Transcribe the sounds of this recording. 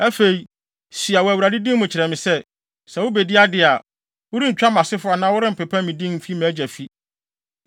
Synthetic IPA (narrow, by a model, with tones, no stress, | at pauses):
æ˦fe˨i˨ | si˨a˨wɔ˨æ˨wu˨ɾa˨dɪ˦dĩ˦mʊ̃˨t͡ɕʰɪ˨ɾɛ˨mɪ̃˨sɛ˦ | sɛ̃˨wʊ˦be˨di˦a˦dɪ˨˦a˨ | wʊ˦ɾĩ˦ɲ̩˨t͡ɕᶣa˦mã˨sɪ˦fʊ˦a˨nãː˦wʊ˦ɾɪ˦m̩˨pɛ˨pʰã˦mĩ˨dĩ˦mm̩˨fi˦mæ̃ː˨˦d͡ʑæ˨fi˦